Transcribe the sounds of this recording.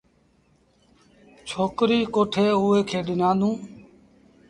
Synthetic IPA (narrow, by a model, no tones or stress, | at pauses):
t͡ʃʰoːkɾiːkoːʈʰeːuːeːkʰeːɗɪnãːd̪ũː